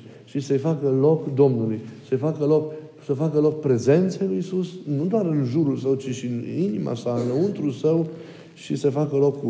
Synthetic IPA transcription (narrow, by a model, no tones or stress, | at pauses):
ʃisəjfakəlo̞kd̪o̞mnulujsəjfakəlo̞k | səfakəlo̞k̚pɾe̞ze̞nt̪sejlujisusnud̪owaɾɨnʒuɾulsəwt͡ʃiʃininima̰saɨnəunt̪ɾulsəw | ʃisəfakəlo̞k